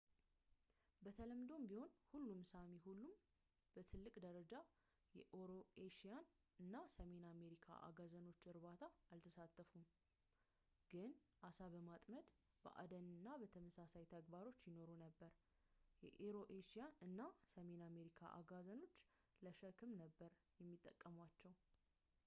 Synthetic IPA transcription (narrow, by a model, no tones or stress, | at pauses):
bət̪ʰələmd̪o̞mbiho̞nhulːumsamiɦulːum | b̥ət̪ʰɨlːɨkʼd̪əɾəd͡ʒa | jɛʔoɾo̞ʔeʃijan | ɨnːasəme̞name̞ɾikʰa̰ʔa̰ɡazəno̞t͡ʃːɨɾbat̪ʰaːlt̪ʰəsat̪ʼːəfum | ɡ̥ɨn | ʔasaβəmat̪ʼməd̪ | bə̰ʔa̰d̪ənɨnːabət̪ʰəməsasajt̪ʰəɡbaɾo̞t͡ʃːjɪno̞ɾunəbːəɾ | jɛ̰ʔeɾo̞ʔeʃijanɨnːasəme̞name̞ɾikʰa̰ʔa̰ɡazəno̞t͡ʃː | ləʃəkʰɨmnəbːəɾ | jɛmːit̪ʼːəkʼːəmwat͡ʃːɛw